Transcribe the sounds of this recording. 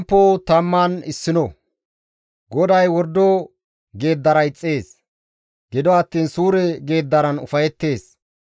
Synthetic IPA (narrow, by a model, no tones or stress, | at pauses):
mpːoːt̪ɐmːaːnɪsːɪnɔ | ɡɔd̪ɐjwɔɾd̪ɔ | ɡe̞ːd̪ːɐɾɐjt͡sʼːe̞ːs | ɡ̥ɪd̪ɔɐt̪ːiːnsuːɾɛɡe̞ːd̪ːɐɾɐnʊ̰fɐjɛt̪ːe̞ːs